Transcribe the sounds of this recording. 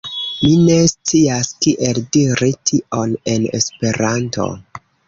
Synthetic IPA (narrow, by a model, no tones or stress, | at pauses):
mine̞st͡siaskiʔeldiɾitʰiʔone̞nḛspe̞ɾanto̞̰